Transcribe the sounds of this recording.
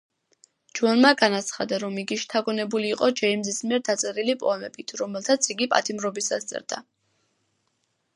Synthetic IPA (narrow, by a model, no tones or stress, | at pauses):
d͡ʒuanmaɡanat̪sʰχa̰d̪aɾɔmiɡiʃt̪ʰaɡɔnɛbuliːqʼɔd͡ʒɛimzismiɛɾd̪at̪sʼɛɾilipʼɔ̰amɛbit̪ʰɾɔmɛlˠt̪ʰat̪sʰiɡipʼa̰t̪ʰimɾɔbisa̰st̪sʼɛ̰ɾd̪a̰